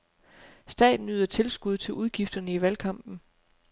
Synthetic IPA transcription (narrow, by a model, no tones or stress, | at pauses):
sd̥ɛ̰ːd̥n̩yðˠɐt͡sʰe̝lsɡ̥uð̞ˠt͡sʰe̝lʔuð̞ˠɡ̥ifd̥ɐnəiʋælkʰɑ̈m̰b̥n̩